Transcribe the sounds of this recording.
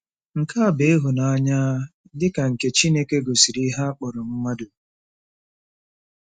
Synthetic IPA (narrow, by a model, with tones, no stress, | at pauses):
ŋ̩˨ka˦a˨be˦e˦ɦʊ˨na˨a˦ɲa˦ | dɪ˦ka˨ŋ̩˨ke˦t͡ʃi˦ne˦ke˦ɡo˨si˨ɾi˦ɦa˦k͡pɔ˨ɾɔ˨m̩˦ŋʷa˦dʊ˨